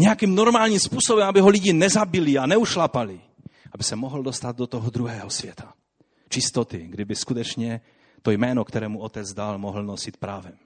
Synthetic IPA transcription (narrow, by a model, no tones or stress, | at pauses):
ɲɛakiːmnoɾmaːlɲimspuːsɔbɛmabiɦɔliɟinɛzabilianɛuʃlapali | abisɛmɔɦldost̪ad̪̚dot̪ɔɦɔd̪ɾuɦɛːɦɔsʋjɛt̪ʰḁ | t͡ʃist̪ɔt̪iɡd̪ibɪskut̪ɛt͡ʃɲɛ | t̪ojmɛːnɔkt̪ɛɾɛːmuɔt̪ɛd͡zd̪almɔɦl̩nɔsit̪pɾaːvɛm